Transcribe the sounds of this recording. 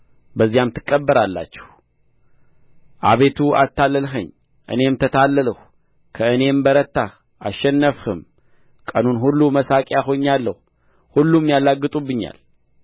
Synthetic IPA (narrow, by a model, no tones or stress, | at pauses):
bəzijamt̪ʰɨ̥kʼːəbːəɾalːa̰t͡ʃːɛ̥h | ʔa̰βe̞t̪ʰua̰t̪ːalːəlɦɨɲ | ʔɨ̰ne̞mt̪ʰət̪ʰalːəlɨh | kʰəɨne̞mbəɾət̪ːa | ʔaʃːɛnːəfhɨm | kʼənunɦulːuməsakʼjaxo̞ɲːalːəhu | hulːumjalaɡːɨt̪ʼubːɨɲːa̰l